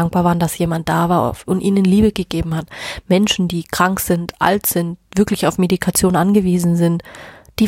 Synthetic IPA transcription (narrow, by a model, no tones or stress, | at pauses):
aŋk̚b̥aɐvaːɐndasjeːmant̚d̥aːvaːɐ̰ʔʊntʔiːnənliːbəɡəɡeːbm̩hatmɛnʃn̩diːkʁ̥aŋkz̥ɪntʔa̰ltz̥ɪntv̥ɪɐklɪçaʊfmedikʰat͡sjoːnʔanɡəviːzn̩zɪntd̥iː